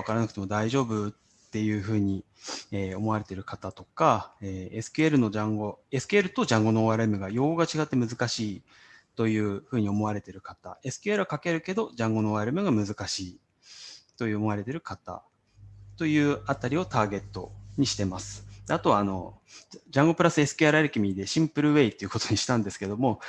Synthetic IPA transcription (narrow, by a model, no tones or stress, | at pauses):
akaɾanakɯ̟t̪e̞mo̞d̪aiʑo̞ːbɯ̟ | t̪ːe̞jɯ̟ːɸɯ̟ːɲ̟i | eːo̞mo̞aɾe̞t̪e̞ɾɯ̟kat̪at̪o̞kaeːesɨ̥keeɾɯ̟no̞d͡ʑãŋɡo̞e̞sɨ̥keeɾɯ̟t̪o̞ʑãŋɡo̞noːaɾɯ̟mɯ̟ɡajo̞ːoɡat͡ɕiɡat̪ːe̞mɯ̟zɨkaɕiː | t̪o̞jɯ̟ːɸɯ̟ːɲ̟io̞mo̞βaɾe̞t̪e̞ɾɯ̟kat̪a̰e̞sɨ̥kʲeeɾɯ̟okake̞ɾɯ̟ke̞d̪o̞d͡ʑãŋɡo̞noːaɾɯmɯ̟ɡamɯ̟zɨkaɕiː | t̪o̞jɯ̟ːomo̞aɾe̞t̪e̞ɾɯ̟kat̪a̰ | t̪o̞jɯ̟ːat̪aɾʲio̞t̪aːɡe̞t̪ːo̞̰ɲ̟iɕi̥t̪e̞masɨ̥d̪eat̪o̞βaːno̞̰d͡ʑãŋɡo̞pɯ̟ɾasɨe̞sɨ̥kʲeaɾɯaɾekʲimʲid̪e̞ɕĩmpɯ̟ɾɯ̟βe̞it̪ːe̞iɯ̟ko̞t̪o̞ɲ̟iɕi̥t̪ãnd̪e̞sɨ̥ke̞d̪o̞mo̞